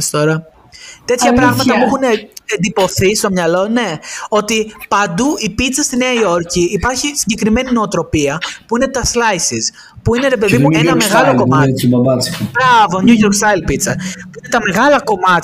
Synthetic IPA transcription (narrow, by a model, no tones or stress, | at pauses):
st̪oɾɐ | t̪e̞t̪çɐpɾɐɣmɐt̪ɐpuexunend̪ipo̞θist̪o̞mɲɐlo̞ne̞o̞t̪ipɐnd̪uipit̪t͡sɐst̪ineɐio̞ɾciːpɐɾçisiɲɟekɾime̞nino̞ːt̪ɾo̞piɐpuine̞t̪ɐslɐjsiz | puine̞ɾe̞p̬e̞ðimuenɐme̞ɣɐlo̞komɐibɐbɐsbɾɐvo̞ɲuʝoɾksɐjlpit̪sɐpuine̞t̪ɐme̞ɣɐlɐko̞mɐt̪ç